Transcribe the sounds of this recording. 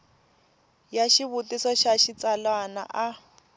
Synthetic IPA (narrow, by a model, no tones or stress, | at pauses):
jaʃiβutisɔʃaʃit͡salwana̰ʔa